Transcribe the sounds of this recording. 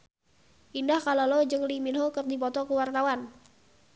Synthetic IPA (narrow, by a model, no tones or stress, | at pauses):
ʔindahkalalɔd͡ʒɨŋlimilɦokɨrdipɔt̪ɔkəwart̪awan